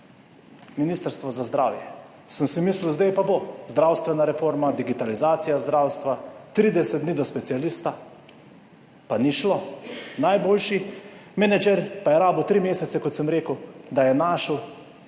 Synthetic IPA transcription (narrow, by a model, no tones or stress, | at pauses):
miniːst̪əɾst̪ʋɔzazd̪ɾa̰ːwjɛ | səmsimislwzd̪ɛjpabozd̪ɾaːwst̪ʋɛnaɾɛfoːɾmad̪iɡit̪alizaːt̪sijazd̪ɾaːwst̪ʋat̪ɾid̪ɛsɛt̪d̪niːd̪ɔspɛt̪sijalist̪a | paniʃlonajboːlʃimɛnɛd͡ʒɛɾpajɛɾaːbəwt̪ɾimeːsɛt̪sɛkɔt̪səmɾeːkəwd̪ajɛnaːʃəw